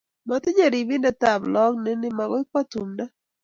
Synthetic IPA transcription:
ma˨t̪ɪ˦ɲe˦˨ɾi˨bi˦ndɛ˨t̪a˨blɔ˦kne˦nɪ˦ma˨ɡɔ˦ɪ˦kwa˦tu˨mda˦

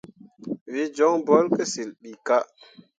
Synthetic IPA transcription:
vi˦d͡ʒɔ˦ŋbɔ˦lke˦si˨lɗi˨ka˦

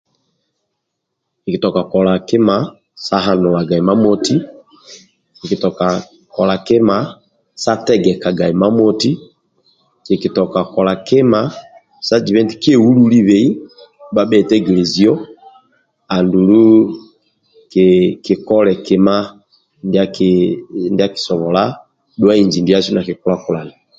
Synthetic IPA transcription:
i˨ki˨tɔ˨ka˨kɔ˨la˨kɪ˦ma˦ | sa˦ɦa˨nɔ˨wa˨ɡa˨i˨ma˦mɔti˦ | i˨ki˨tɔ˨ka˨ | kɔ˨la˨kɪ˦ma˦ | sa˦tɛ˦ɡɛ˨ka˨ɡa˨i˨ma˦mɔ˦ti˦ | i˨ki˨tɔ˨ka˨kɔ˨la˨kɪ˦ma˨ | sa˦d͡ʒi˨βɛ˦nti˨ki˦ɛ˦u˦lu˦li˦βɛ˨i˦ | ba˨ɓɛ˨tɛ˦ɡi˨lɛ˨zi˨ɔ˦ | a˨ndu˨lu˦ | kiki˨kɔ˦lɛ˨kɛ˦ma˦ | ndak | ndi˦a˦ki̥˨sɔ˨βɔ˨la˦ | dwa˦i˨ɲd͡ʒi˨ndi˨a˦su˦na˨ki˨ku˦la˦ku˨la˨na˨

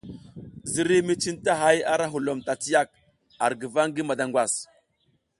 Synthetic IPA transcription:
zi˨ɾi˦mi˦t͡ʃi˦nta˦ɦa˦ja˦ɾa˦ɦu˨lo˨mta˨t͡si˦ja˦k̚ | a˨ɾɡi˨va˦ŋɡi˦ma˨da˨ŋɡwa˨s

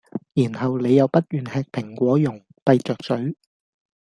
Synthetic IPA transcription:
jiː˨˩nhɐ˨wle˨˧jɐ˨˧wpɐ˥t̚jyː˨˩nhɛː˧k̚pʰɪ˨˩ŋkʷɔː˨˥jʊ˨˩ŋ | pɐ˧jt͡sœː˨k̚sɵ˨˥ɥ

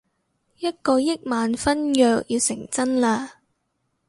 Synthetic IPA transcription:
jɐ˥t̚kɔː˧jɪ˥k̚maː˨nfɐ˥njœː˧k̚jiː˧wsɪ˨˩ŋt͡sɐ˥nlaː˧

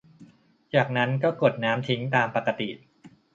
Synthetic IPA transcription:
t͡ɕaː˨˩k̚na˦˥nkɔː˥˩ko˨˩t̪̚naː˦˥mt̪ʰi˦˥ŋt̪aː˧mpa˨˩kːa˧t̪ḭ˨˩

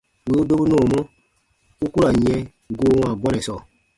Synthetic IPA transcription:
we˨˦u˦do˦bu˦nɔ̃ː˦˨mɔ̃˦ | u˦ku˦a˨ɲɛ̃˨˦ | ɡoː˨˦wã˨bɔ˦nɛ̃˨sɔ˨

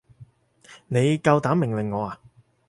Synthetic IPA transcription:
ne˨˧jkɐ˧wt̪aː˨˥mːɪ˨˩ŋlɪ˨˩ŋːɔː˨˧aː˨

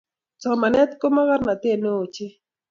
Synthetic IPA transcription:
t͡sɔ˨ma˨nɛ˦t̪ko˦ma˦ka˦rna˨t̪e˦˨no˦o˨t͡ʃɪ˦

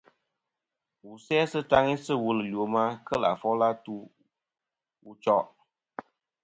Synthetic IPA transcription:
wu˨sɛ˦sɨ˦ta˦ŋi˦sɨ˦wu˨lɨ˨li˨o˨˦ma˦kə˦la̰˨fɔ˦la˦tu˦ | u˧t͡ʃɔ˦

